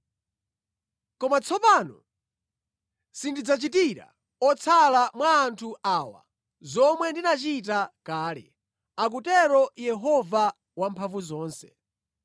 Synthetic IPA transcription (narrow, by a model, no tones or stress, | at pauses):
kɔmat͡sʰɔpanɔ̰ | sindid͡zat͡ʃitiɾa̰ | ɔt͡sʰalamwaːntʰuʔaːwa̰ | zɔmwɛndinat͡ʃit̬akaːlɛ̰ | ak̬utɛɾɔjɛɦɔva | wampʰaɱvuzɔːnsɛ̥